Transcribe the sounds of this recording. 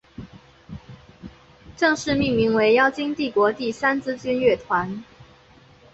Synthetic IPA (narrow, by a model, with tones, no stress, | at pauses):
ʈ͡ʂɤ˥˧ŋʂɻ̩˥˧mi˥˩ŋmi˧˥ŋwe˧˥ɪjɑ˥˩ʊt͡ɕi˥ŋt̪i˥˩kwɔ˧˥t̪i˥˩sa˥nt͡sɹ̩˥t͡ɕy˥nɥɛ˥˩t̪ʰwa˧˥n